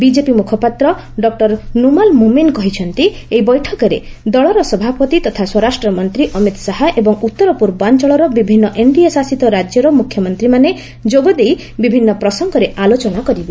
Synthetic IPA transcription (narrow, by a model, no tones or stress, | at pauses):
bid͡ʒepimukʰɔpat̪ɾɔ | ɖɔk̚ʈɔɾnumalmuminkɔɦit͡ʃʰɔnt̪i | ejbɔjʈʰɔkɔɾḛ | d̪ɔɭɔɾɔsɔbʱapɔt̪it̪ɔt̪ʰaswɔɾasʈɾɔmɔnt̪ɾiʔɔmit̪saɦaʔebɔŋut̪ːɔɾɔpuɾbant͡ʃɔɭɔɾɔbibʱinːɔʔeɳɖiesasit̪ɔɾad͡ʒjɔɾɔmukʰjɔmɔnt̪ɾimane | d͡ʒoɡɔd̪ej | bibʱinːɔpɾɔsɔŋɡɔɾeʔalot͡ʃɔnakɔɾibe